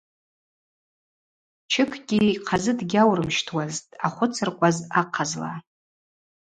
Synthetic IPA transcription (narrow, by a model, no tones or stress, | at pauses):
t͡ʃʰɪkʰɡʲiqʰazɨdɡʲawrɨmʃtʰwaztʼaχʷʊt͡sʰɨrkʷʼazaqʰazla̰